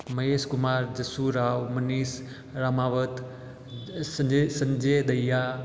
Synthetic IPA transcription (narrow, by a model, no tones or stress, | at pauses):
mɐeːskʊmaːɾd͡ʒəsuɾaːʋmɐniːs | ɾaːmaːʋət̪ | sə̃ɲd͡ʒed̪ɐjːa